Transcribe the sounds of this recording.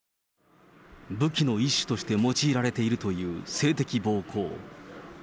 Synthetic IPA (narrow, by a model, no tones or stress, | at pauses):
bɯ̟kʲino̞iɕːi̥t̪o̞ɕi̥t̪e̞mo̞t͡ɕiːɾaɾe̞t̪e̞iɾɯ̟t̪o̞jɯ̟ːse̞ːt̪e̞kʲibo̞ːkʰo̞̰ː